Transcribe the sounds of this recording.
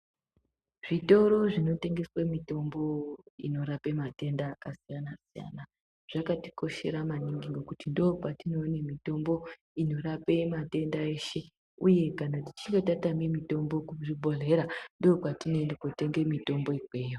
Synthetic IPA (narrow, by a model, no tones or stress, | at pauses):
ʐ̥ito̞ɾo̞ʐino̞te̞ŋɡe̞swemito̞mbo̞ḭno̞ɾape̞mate̞ndaːkasijanasija̰na | ʐ̥akati̥ko̞ʃe̞̰ɾamaniŋɡiŋɡokutindoːpatino̞nimito̞mbo̞ | ino̞ɾape̞mate̞ndae̞ːʃe̞ | uje̞kanati̥t͡ʃiŋɡetatamimito̞mbo̞kuʐibʱo̞ɮe̞ɾandoːpatinoendakote̞ŋɡe̞mito̞mbo̞ikweːjo